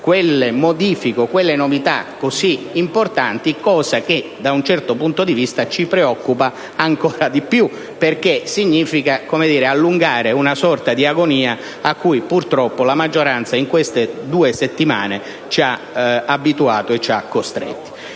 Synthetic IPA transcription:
kwelːemod̪iːfikokwelːenovit̪a̰kːoziːmport̪ant̪ikːɔːzak̟ed̪aunt͡ʃɛrt̪opunt̪od̪ivist̪at͡ʃipɾeɔkːupaː | ŋkɔːɾad̪ipju | perkesiɲːiːfikakomed̪iːɾealːuŋɡaːɾeunasɔrt̪ad̪iaɡoniːa | akːujpurt̪ɾɔpːolamad͡ʒːoɾant̪saiŋkwest̪ed̪uːeset̪ːima̰ːne | t͡ʃia | abːit̪uaːt̪oet͡ʃːa̰kːost̪ɾḛt̪ːi̥

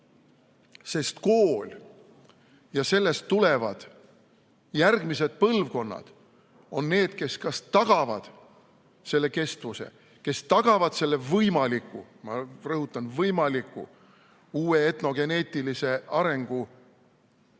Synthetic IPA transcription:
se̞st̪ko̞ːlʲ | jɑse̞lːe̞st̪ːule̞vɑd̪̥ | jærɡ̥mise̞d̪̥̚pɤlvko̞nːɑ̰d̪̥ | o̞nːe̞ːd̪̥ke̞skɑst̪ɑɡ̥ɑvɑd̪̥ | se̞lːe̞ke̞st̪vuse̞̰ | ke̞st̪ɑɡ̥ɑvɑd̪̥se̞lːe̞vɤjmɑlikːˑṵ | mɑrɤɦut̪ːˑɑnvɤjmɑlikːˑṵ | uːe̞et̪no̞ɡ̥e̞ne̞ːt̪ilise̞ɑɾe̞ŋɡ̥u

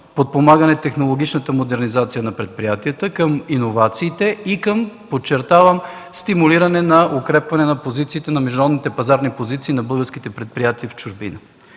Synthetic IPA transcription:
pot̪̚pomaɡənɛt̪ɛxnolˠoɡ̟it͡ʃnət̪əmod̪ɛɾnizat̪sijənɐpɾɛt̪̚pɾijat̪iət̪əkəminovat̪siːt̪ɛikəmpot͡ʃːɛɾt̪avəmst̪imuliɾɐnɛnɐʔokɾɛpvɐnɛnɐpozit̪siːt̪ɛnɐmɛʒd̪nɐɾɔd̪nit̪ɛpɐzaɾnipozit̪siːnɐbɤlˠɡəɾsk̟it̪ɛpɾɛt̪̚pɾijat̪iəft͡ʃʊʒbḭnə

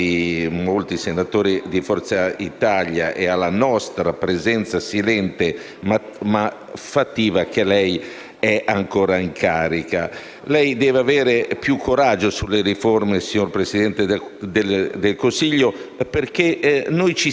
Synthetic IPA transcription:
imolt̪isenat̪oːɾid̪ifɔɾt̪sait̪aʎja̰ʔealːanɔst̪ɾapɾezɛnt̪sasilɛnt̪e | m | ma | fat̪ːiːvak̟elɛj | ɛʔaŋkoːɾaiŋkʰaːɾika | lɛjd̪ɛːvavɛːɾepjukʰːoɾad͡ʒːosulːeɾiformesiɲorpɾesid̪ɛnt̪ed̪ed̪elkonsiʎːoperk̟enojt͡ʃi

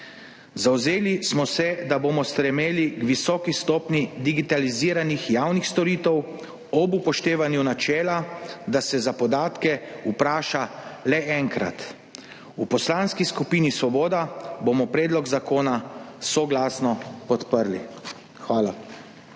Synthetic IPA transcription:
zawzeːlismɔsɛd̪aboːmɔst̪ɾɛmeːliɡʋisɔːkist̪ɔːpnid̪iɡit̪aliziːɾanixjaːwnixst̪ɔɾiːt̪ɛw | ɔbupɔʃt̪eːʋanjunat͡ʃɛːlad̪asɛzapɔd̪aːt̪kɛupɾaːʃalɛʔɛŋkɾa̰t̪ | upɔslaːnskiskupiːnisʋɔboːd̪abomɔpɾɛːd̪lɔɡzakoːnasɔɡlaːsnɔpɔt̪pəɾlḭ | xʋaːla

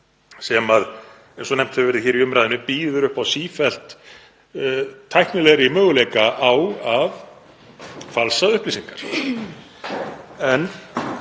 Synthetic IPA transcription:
sɛmað | ɛnsɔnɛm̥t̪hɛvɪvɛɾɪðçɛːɾiʏmɾajðʏnʏpiːðʏɾʏhpawsiːfɛl̥t̪ | t̪ʰːajhknɪlɛɣɾɪimœːɣʏlejkaʔawav | falsaðʏhpliːsiŋkaɾ̥ | ɛn

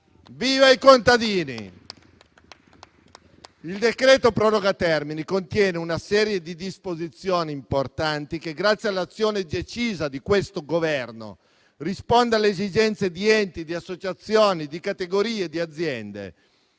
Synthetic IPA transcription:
viːvaikont̪ad̪iːnḭ | ild̪ekɾeːt̪opɾɔɾoɡat̪ɛrminikont̪jɛːneunasɛːɾjed̪id̪ispozit̪sjoːniːmport̪ant̪ikeɡɾat̪sːjalːat̪sːjoːned̪et͡ʃiːzad̪ikwest̪oɡovɛrno̰ | rispond̪ealeezid͡ʒɛnt̪sed̪iɛnt̪id̪iasːot͡ʃat̪sːjoːnid̪ikat̪eɡoɾiːed̪iad̪zːjɛnd̪ḛ

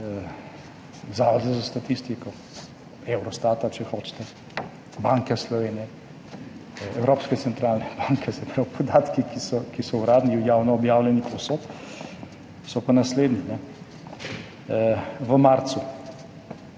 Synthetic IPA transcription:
zaːʋɔzɛzast̪at̪ist̪ikɔ | ewɾɔst̪aːt̪at͡ʃɛxoːt͡ʃt̪ɛ | baŋkɛslɔʋeːnjɛ | ɛwɾopskɛt̪sɛnt̪ɾaːlnɛb̥aŋkʰɛsɛpɾawpʰɔd̪aːt̪kikisɔkisɔwɾaːd̪niujaːwnɔːbjaːwlɛnipɔsot̪ | sɔpanasleːd̪ninɛ | ʋəmaɾt̪su

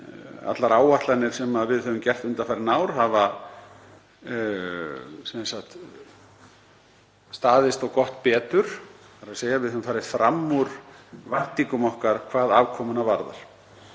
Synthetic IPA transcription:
a̰t̪laɾaːwaht̪lanɪɾ̥sɛmaðvɪðhœvʏmcɛr̥t̪ʏnt̪afaɾnaːwɾ̥haːva | sɛmɛsaht̪ | st̪aːðɪst̪ɔwkɔht̪pɛːt̪ʏɾ̥faɾaðseːjavɪðhœʏmfaːɾɪt̪fɾʔamːuɾ̥vaht̪iŋkʏmɔhkaɾ̥kʰvaːðaːvkʰɔːmʏnavaɾða̰ɾ̥

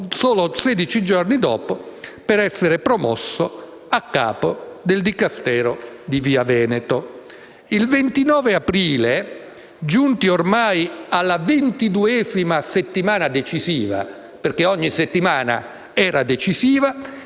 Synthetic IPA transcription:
soːlosɛːd̪it͡ʃid͡ʒɔrnid̪ɔ̰ːpopɛɾɛsːeɾepɾɔmɔ̰sːo | akːa̰ːpod̪eld̪ikast̪ɛːɾod̪iviːavɛːnɛt̪o | ilvent̪inɔːveapɾiːle | d͡ʒunt̪iormajalːavent̪id̪uɛːzimaset̪ːimaːnad̪et͡ʃiziːva̰ | perkeɔɲːiset̪ːimaːna̰ | ɛːɾad̪et͡ʃisiːva

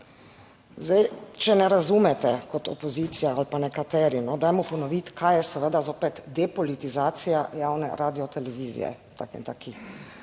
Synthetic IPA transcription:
zd̪ajt͡ʃɛnɛɾazumɛt̪ɛkɔt̪ɔ̰pɔziːt̪sijaalpanɛkat̪ɛːɾinɔd̪aːjmupɔnɔʋit̪kʰajɛsɛʋəd̪azoːpɛt̪d̪ɛpɔlit̪izaːt̪sijajaːwnɛ̰ɾaːd̪iɔt̪ɛlɛʋiːzḭjɛ̰t̪a̰kɛḭnt̪aːki

